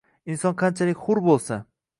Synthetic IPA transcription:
ɪnsɒnqʰɑnt͡ʃʰalɪkʲχʊɾbolˠsa

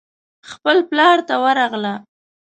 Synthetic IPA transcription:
xpəlplɑɾt̪awəɾɑɣla

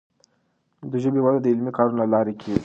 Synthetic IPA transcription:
d̪əʒəbewad̪ad̪əɪlmikʰɑɾunlalɑɾikʲʰi

